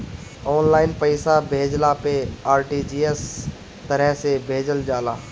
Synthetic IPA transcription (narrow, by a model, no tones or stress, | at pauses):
ɔːnlaːɪnpəɪsabʱeːd͡ʒlapeaːɾʈiːd͡ʒiːes | t̪əɾɛɦsebʱeːd͡ʒəld͡ʒaːlaː